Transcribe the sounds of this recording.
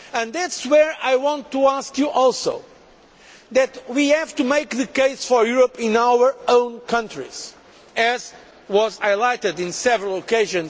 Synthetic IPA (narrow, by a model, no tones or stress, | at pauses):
ɨ̃nðætswəɹajwɑ̃ntːuaskjuʔɔlˠso̰ʊ | ðɨtwihævtumeɪkðɨkeɪsfɔ˞juɹɔpɪ̃nawə˞õʊ̃nkʰʌ̃ntɹḭz̥ | ɛz | wɔzaɪlaɪtɨdɪ̃nsɛvəɹəl̩ˠokeɪʒɨ̃nz